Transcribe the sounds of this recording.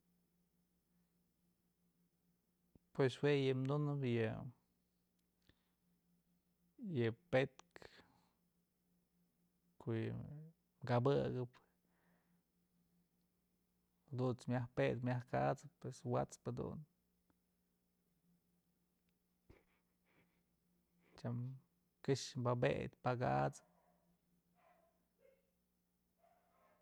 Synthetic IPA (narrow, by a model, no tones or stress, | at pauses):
pweswejɨmd̪unɨpjɨ | jɨpet̪̚k | kʰoʔjɨ | mɡabɨɡɨp | d̪unt͡smʲjahped̪̚mʲjahkat͡sɨppːweswa̰t͡spad̪ṵn | t͡ʃam | kɨʂmbabḛd̪ʲpaɡaʔt͡sɨ̥p̚